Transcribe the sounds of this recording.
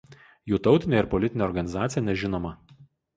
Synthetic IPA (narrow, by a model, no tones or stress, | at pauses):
juːt̪ɒʊt̪ʲɪnʲeːɪɾpɔlʲɪt̪ʲɪnʲeɛɔɾɡɐnʲɪzɑːt̪sʲjɛnʲɛʒʲɪnoːmɐ